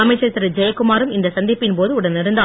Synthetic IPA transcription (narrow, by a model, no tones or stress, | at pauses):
ɐmɐɪt͡ʃːɐɾt̪ːɐɾɐd͡ʒɐjɐkːʊmaːɾɯmɪnd̪ɐsɐnd̪ɪpːɪnpoːðɯʊɽɐnnɪɾɯnd̪a